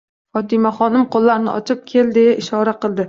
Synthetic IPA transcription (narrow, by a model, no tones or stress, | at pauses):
χɒt̪ɪmaχɒnɪmqolˠːaɾnɪ̰ʔɒ̰t͡ʃʰɪp̚kʲʰe̞ld̪e̞jaʔɪʃɒɾaqɨlˠd̪ɪ